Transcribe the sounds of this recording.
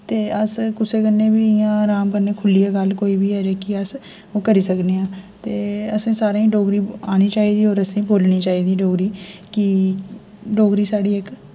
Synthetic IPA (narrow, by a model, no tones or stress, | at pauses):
t̪eːəskʊseːkənːeːbiːɪjãːɾaːmkəɾneːkʰʊlijaːɡəlkoːiːbʱiːɛːɾeːkɪəs | oːkəɾiːsəkneːãːt̪eːəsẽːsaːɾãːĩɖoːɡɾiːaːniːt͡ʃaːiːd̪iːoːɾəsĩːboːlniːt͡ʃaːɦiːd̪iːɖoːɡɾiːkɪ | ɖoːɡɾiːsaːɽiːɪk